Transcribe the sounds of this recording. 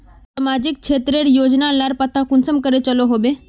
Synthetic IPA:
səmaːd͡ʒɪk̚t͡ʃʰeːt̪ɾeɾjoːd͡ʒnaləɾpət̪ʰakʊnsəmkəɾet͡ʃɐloɦoːbeː

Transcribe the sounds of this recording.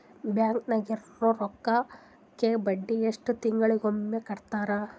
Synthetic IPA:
bjaːŋknɐɡiɾɾoɾɔkːɐ | kːebɐɖːieʂʈut̪iŋɡɐɭiɡomːekɐɽt̪aːɾa

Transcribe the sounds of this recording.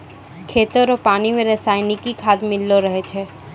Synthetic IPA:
kʰeːt̪əɾɔːpaːnimẽɾɐsaːɪnɪkikʰaːd̪mɪlːoɾɐɦet͡ʃʰeː

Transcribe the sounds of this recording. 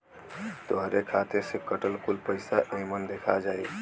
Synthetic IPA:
t̪oɦɾekʰat̪esekəʈəlkulpəɪsaʔemənd̪ekʰad͡ʒaj

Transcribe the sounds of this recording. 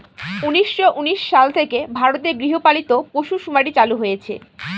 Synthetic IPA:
uniʃːoʔuniʃʃalt̪ʰekebʱaɾot̪eɡɾiɦopalit̪opoʃuʃumaɽit͡ɕaluɦojet͡ɕʰḛ

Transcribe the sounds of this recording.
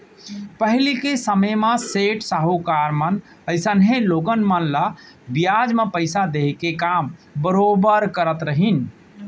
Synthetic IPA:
pəɦlikesəməjmãseʈsaɦukaɾmən | əɪsənɦẽloɡənmənla | bjad͡ʒmepəɪsad̪eɦkekambəɾobəɾkəɾət̪ɾəɦin

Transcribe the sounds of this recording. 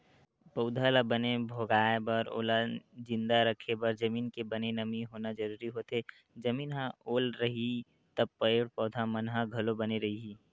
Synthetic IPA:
pəʊd̪ʱalabənebʱoːɡaːebɐɾo̰ːlad͡ʒɪ̃nd̪aɾəkʰebɐɾd͡ʒəmiːnkebənenəmiɦoːnad͡ʒəɾuːɾiɦot̪ɦe | d͡ʒəmiːnɦãoːlɾɐɦi | t̪əb̚pəeɽpɔːd̪ʱamənɦãɡʱəlobəneɾɐɦiɦiː

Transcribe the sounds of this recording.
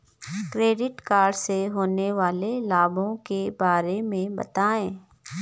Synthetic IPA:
kɾeːɖɪʈkaːɾɖseɦoːneʋaːlelaːbõkebaːɾemẽbɐ̰t̪aːẽː

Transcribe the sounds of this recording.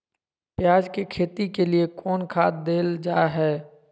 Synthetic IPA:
pjaːd͡ʒkekʰeːt̪ikeliekɔːnkʰaːt̪̚d̪eːld͡ʒaːɦɛː

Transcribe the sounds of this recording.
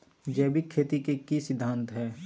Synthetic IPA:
d͡ʒɛːbʱikʰeːt̪ikekisɪd̪ʱːãːnt̪ɦɛː

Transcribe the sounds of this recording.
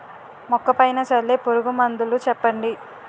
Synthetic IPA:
mɔkːɐpɐjnɐt͡ʃɐlːeːpuɾuɡumɐnd̪ulut͡ʃɛpːɐɳɖi

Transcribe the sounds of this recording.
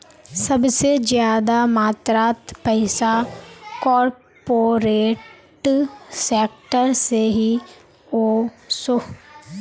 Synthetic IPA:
sɐbsezjaːd̪amaːt̪ɾaːt̪pɛɪsakɔːɾ | poːɾeːʈʈseːk̚ʈəɾseɦi | oːso

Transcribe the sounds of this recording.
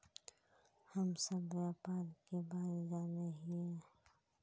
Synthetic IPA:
həmsɐbɾapaːlkebaːd̪d͡ʒaːneɦie

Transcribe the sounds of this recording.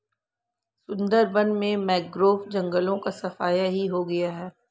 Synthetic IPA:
sʊ̃nd̪əɾbɐ̃nmẽmɛːk̚ɡɾoːfd͡ʒɐ̃ŋɡəlõkasɐfaːjaɦiɦoɡɐjaɦɛː

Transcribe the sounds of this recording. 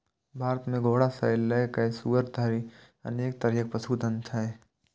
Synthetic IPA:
bʱaːɾət̪mẽɡoːɽasaɪlːɐjkɐesuːʋəɾt̪aːɾi | ɐ̰neːk̚t̪ɐɾijək̚pəsuːd̪ə̃nt̪ʰae

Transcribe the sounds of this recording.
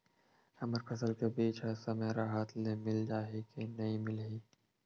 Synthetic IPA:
hɐməɾpʰɐsəlkebiːt͡ʃʰasɐmeːɾaɦaːt̪ʰnemɪld͡ʒaːɦekenɐĩmɪlɦiː

